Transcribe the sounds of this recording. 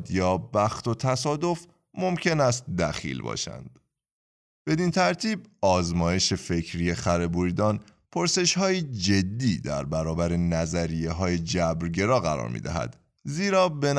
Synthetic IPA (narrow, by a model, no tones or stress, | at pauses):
d̪jɒːbæxt̪o̞t̪ʰæsɒːd̪o̞f | mo̞mcʰe̞næst̪̚d̪æ̰xḭːlbɒ̰ːʃæ̰nd̪̥ | b̥e̞d̪int̪ʰæɾt̪ʰiːb̚ɒːzmɒːje̞ʃe̞fe̞cʰɾiːjexæɾe̞buɾid̪ɒːnpʰoɾse̞ʃhɒːjid͡ʒe̞d̪ːiːd̪æ̰ɾbæɾɒːbæɾe̞næzæɾijeɦɒːjed͡ʒæbɾɟe̞ɾɒːɣæ̰ɾɒ̰ːɾmḭːd̪æ̰ɦæ̰d̪̥ | ziːɾɒːbe̞n